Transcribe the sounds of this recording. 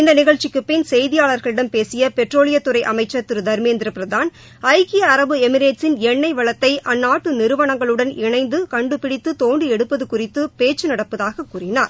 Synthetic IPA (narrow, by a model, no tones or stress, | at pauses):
ɪnd̪ɐnɪɣɐɻt͡ʃːɪkːɯpːɪnsɛjðɪjaːɭɐɾɣɐɭɪɽɐmpeːsɪjɐpɛʈroːɭɪjɐt̪ːɯɾɐɪʔɐmɐɪt͡ʃːɐt̪ːɪɾɯd̪ɐɾmeːnd̪ɪɾɐpɪɾɐðaːn | ɐɪɣɪjɐɐɾɐbɯɛmɪɾeːʈsɪnɛɳːɐɪʋɐɭɐt̪ːɐɪʔɐnːaːʈːɯnɪɾɯʋɐɳɐŋɡɐɭɯɽɐnɪɳɐɪnd̪ɯkɐɳɖɯpɪɽɪt̪ːɯt̪oːɳɖɯɛɽɯpːɐðɯkʊrɪt̪ːɯpeːt͡ʃːɯnɐɽɐpːɐðaːɣɐkːuːrɪnaːɾ